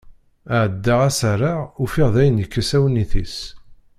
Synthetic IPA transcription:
əʕəd̪ːaʁæsərˤaufiʁðæjənjəkːəsæwnːiθis

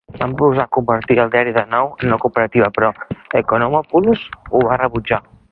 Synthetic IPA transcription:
bampɾuuzakumbəɾt̪iɾalˠd̪iaɾiðanɔwenokupeɾat̪iβapɾɔekonomɔpulusuβareβud͡ʒa

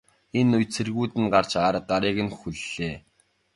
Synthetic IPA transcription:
enʊjt͡sʰerɣuːt̪ɘ̆nɢar̥t͡ɕaːɾə̆t̪̚ɢaɾiːɣɘ̆nxuɮːeː

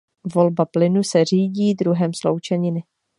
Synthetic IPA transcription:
vo̞lbaplɪnusɛr̝iːɟiːd̪ɾuɦɛmslowt͡ʃɛɲɪnɪ

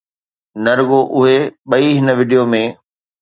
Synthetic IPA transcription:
nɐɾɡoʔʊɦeɓɐiɦɪnə̆ʋɪːɖijomẽ

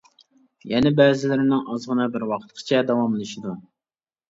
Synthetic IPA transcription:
jɛnɪbɛːzɪlɪɾɪnɪŋʔɑzʁənɨbɪɾwɑqʰət̪qʰə̥t͡ʃʰɛd̪ɑwɑmlˠɨʃid̪u

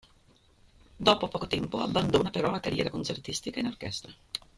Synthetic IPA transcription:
d̪oːpopɔːkot̪ɛmpoabːand̪onapeɾɔlakaɾjɛ̰ːɾakont͡ʃert̪ist̪ikainork̟ɛ̰st̪ɾa

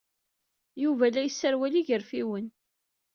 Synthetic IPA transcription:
juvælæjəsːəɾwæliʝəɾfiwən

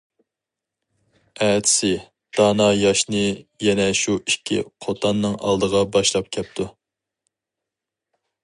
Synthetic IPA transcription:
ɛːt̪ʰɪ̥sɪ | d̪̥ɑːnɑjɑʃnɨjɛnɛʃuikʲʰːḭqʰot̪ʰɑnːɨŋʔɑ̰lˠd̪əʁɑbɑʃlˠɑp̚kʲʰɛp̚t̪ʰu

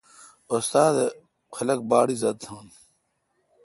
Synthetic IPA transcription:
ost̪aːd̪e | kʰɐlɐk̚baːɽizɐd̪̚sʰaːn

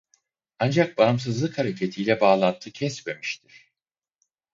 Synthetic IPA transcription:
and͡ʒak̚baɯms̬ɯzlˠɯkhaɾecʰe̞t̪ʰijlʲɛbaːlˠant̪ʰɯcʰɛsme̞miʃt̪ʰiɾ̥

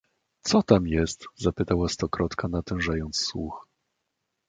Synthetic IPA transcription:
t̪sɔt̪amjɛst̪zapɘt̪awast̪ɔkɾɔt̪kanat̪ɛ̃w̃ʐajɔnt̪sːwṵx

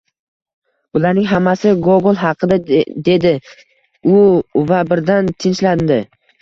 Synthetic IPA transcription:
bʊlaɾnɪŋɦamːasɪɡoɡolˠɦɑqʰɨd̪ad̪e̞d̪ɪ | ʊvabɪɾd̪ant̪ʰɪnʃland̪ɪ

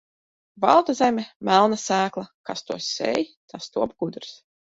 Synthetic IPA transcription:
vɑ̰lˠt̪azɛmʲɛmælˠnasæːklˠakast̪uɔsɛ̰jt̪ʰast̪uɔb̚ɡ̥ud̪ɾs

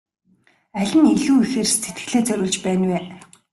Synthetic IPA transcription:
æɮʲɪ̆niɮuːixeːrset̪̚ɡɘ̥̆ɮeːt͡sœɾʲʊːɮt͡ɕpæːnweː

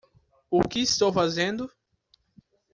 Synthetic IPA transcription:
ʊkɪːst̪owfazẽnd̪ʊ

